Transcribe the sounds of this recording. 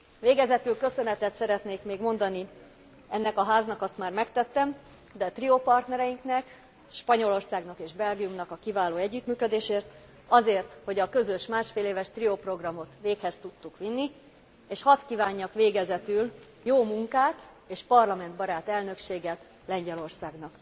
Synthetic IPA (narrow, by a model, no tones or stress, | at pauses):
veːɡɛzɛt̪ylkø̞sø̞nɛt̪ɛt̪sɛɾɛt̪neːkmeːɡmo̞nd̪ɒni | ɛnːɛkɒɦaːznɒkɒst̪maːrmɛkt̪ɛt̪ːɛm | d̪ɛt̪riopɒrt̪nɛɾɛjiŋknɛk | ʃpɒɲo̞lo̞rsaːɡnɒkeːʒbɛlɡijumnɒkɒkivaːloːɛɟːyt̪myːkød̪eːʃeːrt̪ | ɒzeːrt̪ho̞ɟɒkø̞zø̞ʃmaːʃfeːleːvɛʃt̪riopro̞ɡrɒmo̞t̪ʋeːkhɛst̪ut̪ːukʋinːi | eːʃhɒt̪kivaːɲːɒkʋeːɡɛzɛt̪yl | joːmuŋkaːt̪ | eːʃpɒrlɒmɛnd̪bɒɾaːt̪ɛlnø̞kʃeːɡɛ | lɛɲɟɛlo̞rsaːɡnɒk